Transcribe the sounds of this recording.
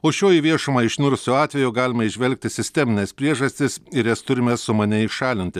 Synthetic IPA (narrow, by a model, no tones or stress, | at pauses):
oːʃʲoːiːʋʲiɛʃomɑɪʃʲnʲʊɾʊsʲʊɑːt̪ʲʋʲɛjʊːɡɑːlʲɪmɐɪʒʲʋʲɛlʲk̚t̪ʲɪsʲɪsʲt̪ʲɛmʲɪnʲɛːspʲɾʲiɛʒɐsʲt̪ʲɪsɪɾjɛst̪ʊɾʲɪmʲɛsʊmɐnʲɛɪʃɑːlʲɪnʲt̪ʲɪ